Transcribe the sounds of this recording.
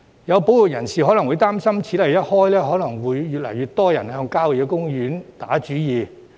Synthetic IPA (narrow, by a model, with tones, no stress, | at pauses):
jɐ˨˧wpo˨˥wu˨˩jɐ˨˩nsiː˨˩ɦɔ˨˥lɐ˨˩ŋwuː˨˧jt̪aː˥msɐ˥mt͡sʰiː˨˥lɐ˨˩jjɐ˥t̚hɔː˥jlɛː˥ɦɔː˨˥lɐ˨˩ŋwuː˨˧jːyː˨t̚lɐ̰˨˩jyː˨˧t̚t̪ɔː˥jɐ˨˩nhœː˧ŋkaː˥wi˨kɛ˧kʊ˥ŋjyː˨˥nt̪aː˨˥t͡ʃyː˨˥jiː˨˧